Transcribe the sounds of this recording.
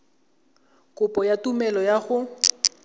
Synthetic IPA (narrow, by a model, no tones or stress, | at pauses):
kʼʊpʼɔjatumɛlɔjaɣʊ